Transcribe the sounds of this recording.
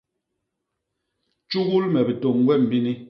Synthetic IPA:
t͡ʃu˦ɣu˦lmɛ˨bi˨to˨ŋɡwɛ˦˨m̩˨bi˦ni˦

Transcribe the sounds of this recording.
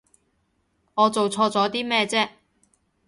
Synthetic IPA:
ŋɔː˨˧t͡so˨wt͡sʰɔː˧t͡sɔː˨˥t̪iː˥mɛː˥˧t͡sɛː˥

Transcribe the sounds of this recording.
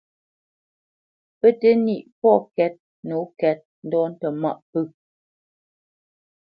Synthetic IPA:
pə˦te˦ni˦˨ʔpɔ˦˨kɛ˦t̚ | no˨˦kɛ˨˦t̚n̩˦dɔ˦n̩˦tɛ˨ma̰˦˨ʔpə˦˨

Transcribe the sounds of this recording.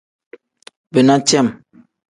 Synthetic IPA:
be˨nã˦t͡ʃɛ˦˨m

